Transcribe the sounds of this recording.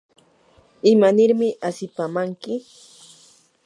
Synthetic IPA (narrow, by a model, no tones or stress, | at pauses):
ɪmanɪɾmɪʔasɪpamaŋkɪ